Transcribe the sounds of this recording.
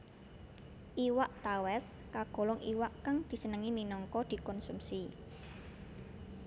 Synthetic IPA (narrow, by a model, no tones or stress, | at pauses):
ʔiwaʔt̪awɛskaɡ̥o̤lɔŋiwaʔkaŋd̪̥i̤sənəŋiminɔŋkɔd̪̥i̤kɔnsumsi